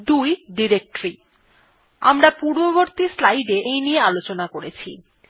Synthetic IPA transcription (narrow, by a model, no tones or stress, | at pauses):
d̪ujɖiɾek̚ʈɾi | a̰mɾapuɾboβoɾt̪islajɖeejniealot͡ɕonakoɾet͡ɕʰḭ